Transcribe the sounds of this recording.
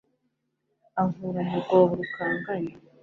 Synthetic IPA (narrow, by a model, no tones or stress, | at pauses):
aŋuɾanaɡoːβuɾukaːŋɡaɲe